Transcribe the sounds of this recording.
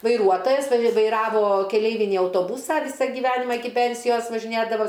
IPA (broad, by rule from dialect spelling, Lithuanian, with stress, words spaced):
ʋɐɪˈruɔtoːjɛs ʋɐ ʋɐɪˈrɑːʋoː kʲɛˈlʲɛɪʋʲɪnʲiː ɐʊtoːˈbuːsɑː ˈʋʲiːsɐ ɡʲɪˈʋʲæːnʲɪmɑː ˈɪkʲɪ ˈpʲɛnʲsʲɪjoːs ʋɐʒʲɪˈnʲeːdɐʋoː